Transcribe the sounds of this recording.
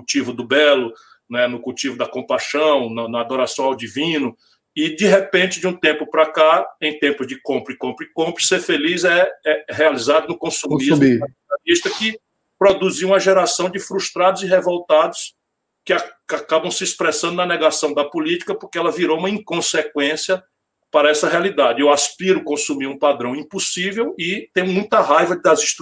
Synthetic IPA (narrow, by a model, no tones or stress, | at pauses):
kut͡ʃivʊd̪ʊbɛlʊ | nɛnʊkut͡ʃivʊd̪ɐkõpajʃɐ̃w̃nɐnɐːd̪ɔɾasɐ̃w̃awd͡ʒivĩnʊ | ɪd͡ʒiɦepẽt͡ʃɪd͡ʒɪũt̪ẽmpʊpɾɐkaẽj̃t̪ẽmpʊzd͡ʒɪkõpɾʊɪkõpɾɪkõpɾʊ̥seɾfelizɛɛɦealizad̪ʊnʊkõsũm̃mizmikaialiʃt̪ɐkɪ | pɾod̪uziũmɐʒɛɾasɐ̃w̃d͡ʒɪfɾuʃt̪ɾad̪ʊziɦevowt̪ad̪ʊs | kɪaakabɐ̃w̃sɪːspɾɛsɐ̃nd̪ʊnɐnɛɡasɐ̃w̃d̪ɐpulit͡ʃi̥kɐpʊɾkeɛlɐviɾoũmɐĩkõsekwẽsiɐ | paɾɐɛsɐɦealid̪ad͡ʒɪewaspiɾʊkõsumiɾũpad̪ɾɐ̃w̃ĩpusivewɪt̪ẽj̃ʊmũj̃t̪ɐɦajvɐd̪ɐzĩʃt̪